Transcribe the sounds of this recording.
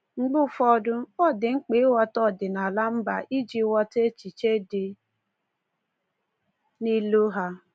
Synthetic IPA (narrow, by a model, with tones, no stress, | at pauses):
ŋ͡m̩˦ɡ͡bʊ˦fɔ˦dʊ˦ɔ˦˨dɪ˨ŋ͡m̩˦k͡pe˨˦wɔ˦tɔ˦˨dɪ˨na˨la˦m̩˦ba˨ʔi˦d͡ʒi˦wɔ˦te˦t͡ʃi˨t͡ʃe˦dɪ˨ | ni˦lo˦ɦa˦